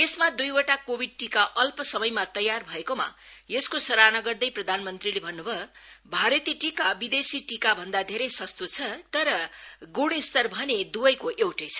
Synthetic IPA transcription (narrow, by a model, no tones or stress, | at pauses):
esmad̪ujoʈakobʱiɖ̚ʈikaʔʌlpʌsʌmʌjmat̪ʌjːarbʱʌekoma̰jeskosʌɾanʌɡʌrd̪ʌjprʌd̪ʱanmʌnt̪rilebʱʌnːubʱʌbʱaɾʌt̪iʈikabid̪esiʈikabʱʌnd̪ad̪ʱeɾʌjsʌst̪ot͡sʰʌt̪ʌɾʌɡuɽ̃ist̪ʌrbʱʌned̪ubʌjkoʔewʈʌjt͡sʰʌ̥